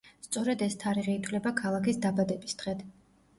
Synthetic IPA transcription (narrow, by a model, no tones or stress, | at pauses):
st̪sʼɔɾɛd̪ɛst̪ʰaɾiʁiːt̪ʰvlɛbakʰalˠakisd̪abad̪ɛbisd̪̥ʁɛt̪ʰ